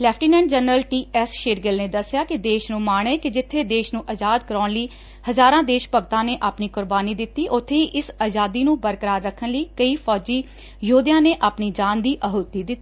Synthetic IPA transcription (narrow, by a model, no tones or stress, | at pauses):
lɛːpʰʈiːnɛ̃ːɳɖd͡ʒənɾəlʈiːɛːsʃeːɾɡəlneːd̪əsːɪjaːkɪd̪eːʃnũːmaːɳeːkɪd͡ʒɪt̪ʰːeːd̪eːʃnũːʔəd͡ʒaːd̪kəɾɔːɳliː | həzaːɾãːd̪eːʃpəɡt̪ãːneːʔaːpniːkʊɾbaːniːd̪ɪt̪ːiːʔʊt̪ʰːeːiːʔɪsaːd͡ʒaːd̪iːnũːbəɾkəɾaːɾːəkʰːənləiːkəiːpʰɔːd͡ʒiː | joːd̪ɪjãːneːʔaːpniːd͡ʒaːnd̪iːʔəɦoːt̪ːiːd̪ɪt̪ːiː